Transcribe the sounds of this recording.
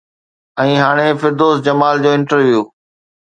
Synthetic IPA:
ɛ̃ːɦaːɽ̃efɪɾd̪oːsd͡ʑɐmaːld͡ʑoːɪ̃ɳʈəɾʋjuː

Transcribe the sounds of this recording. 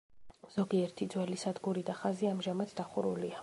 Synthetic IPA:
z̥ɔɡiɛɾt̪ʰid̪zwɛlisad̪ɡuɾid̪aχaziamʒamat̪d̪aχuɾulia

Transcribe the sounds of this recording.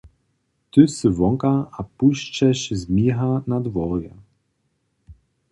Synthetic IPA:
t̪ɨsɨvɔŋkaapuɕt͡ɕɛɕzmʲiɦanad̪vɔɾjɛ̰

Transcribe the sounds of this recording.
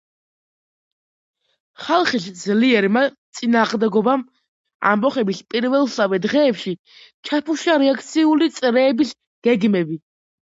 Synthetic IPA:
χalˠχisd̪zliɛɾmat̪sʼinaːʁmd̪ɛɡɔbam | a̰mbɔχɛbispʼiɾvɛlˠsavɛd̪ʁɛːpʃi | t͡ʃʰapʰuʃaɾɛakʰt̪sʰiulit̪sʼɾɛːbis | ɡ̥ɛɡmɛbi

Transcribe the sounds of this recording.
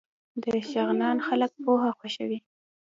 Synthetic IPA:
d̪əʃaɣnɑnxalək̚poɦaxwaʃəwi

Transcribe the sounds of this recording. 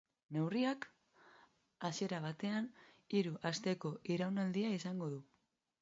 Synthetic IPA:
ne̞wriak | asie̞ɾaβ̞at̪e̞an | iɾuʔast̪e̞ko̞ʔiɾawnald̪iaisaŋɡo̞ðu

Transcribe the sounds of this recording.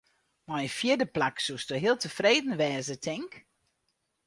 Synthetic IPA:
majəfjɪdəplaksustoɦɪəlˠtəfreːdn̩ʋɛːzətʰɪŋk

